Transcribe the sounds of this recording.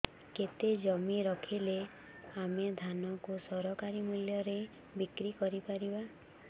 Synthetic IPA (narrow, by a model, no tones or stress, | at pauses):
ket̪ed͡ʒɔmiɾɔkʰile | amed̪ʱanɔkusɔɾɔkaɾimuljɔɾe | bikɾikɔɾipaɾiba